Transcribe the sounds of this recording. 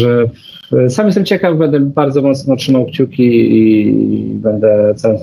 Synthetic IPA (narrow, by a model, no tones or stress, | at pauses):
ʐɛ | samjɛst̪ɛmt͡ɕɛkavbɛnd̪ɛbaɾd̪zɔmɔt̪snɔtʂɘmawkt͡ɕukʲii | bɛnd̪ɛt̪sawɛ̃s